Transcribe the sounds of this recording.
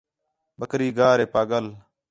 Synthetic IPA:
ɓəkɾiːɡaːɾeːpaːɠəl

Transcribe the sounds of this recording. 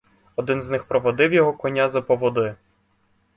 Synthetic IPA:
ɔd̪ɪnznɪxpɾɔʋɔd̪ɪwjɔɦɔkɔnʲazɐpɔʋɔd̪ɪ

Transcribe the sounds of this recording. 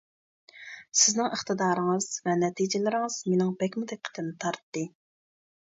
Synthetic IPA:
sɪznɪŋəχt̪ɨd̪ɑːɾɨŋɨz̥vɛnɛt̪ʰid͡ʒɪlɪɾɪŋɨz̥menɪŋbɛkʲmud̪ɛk̚ʲqʰə̥t̪ʰɨnːɪt̪ʰɑɾt̪ːɨ

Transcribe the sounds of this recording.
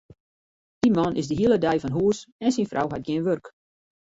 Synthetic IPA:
d̥imɑnʔɪzdəɦiəlˠədɛjfɔnɦuəsɛnsinfrʔɔ̰wɦat̚ɡiənʋørk

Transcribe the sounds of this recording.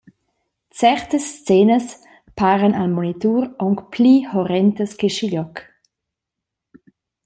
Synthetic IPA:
t͡sɛɾt̪əst͡seːnəs | paːɾənalmonit̪uːɾɔŋkpʰlihɔɾɛnt̪əskeʃiʎɔk

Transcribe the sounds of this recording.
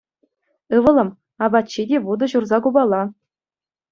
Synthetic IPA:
ɯʋɤ̆lˠɤ̆m | ɑbɑtt͡ɕːidʲeʋud̪ɤ̆ʑurzɑkubɑlˠːɑ

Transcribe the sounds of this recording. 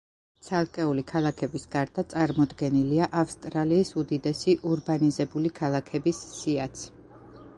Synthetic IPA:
t̪sʰalˠkʼɛulikʰalˠakʰɛbisɡaɾd̪at̪sʼaɾmɔd̪ɡɛniliaʔafst̪ʼɾaliːsud̪id̪ɛsiʔuɾbanizɛbulikʰalˠakʰɛbisːiat̪sʰ

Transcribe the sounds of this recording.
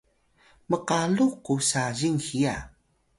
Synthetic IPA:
məqaɮuqːusaʑiŋxija

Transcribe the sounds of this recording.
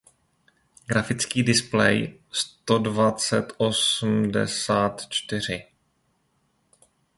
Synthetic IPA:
ɡɾafɪt͡skiːdɪsplɛ̰jst̪o̞dvat͡sɛt̪ʔo̞sm̩dɛ̰saːt̪t͡ʃt̪ɪr̝ɪ

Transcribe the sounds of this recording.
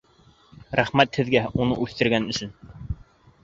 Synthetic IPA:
ɾæχmæt̪hɘ̆ðɡæunɤ̰ʔʉθt̪ɘ̆ɾɡænɵ̆ʃɵn

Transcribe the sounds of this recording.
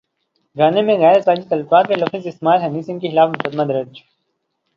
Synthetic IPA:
ɡaːnemẽɣɛːɾɐsaːd͡ʒit̪ɐlɐfaːt̪melɐfizɪst̪maːlɦɐniːsɪ̃ŋkexɪlaːfmʊkəd̪mad̪ɐɾəd͡ʒ

